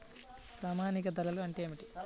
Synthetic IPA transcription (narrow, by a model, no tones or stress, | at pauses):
pɾaːmaːnikɐd̪ɐlɐluɐɳʈeeːmiʈi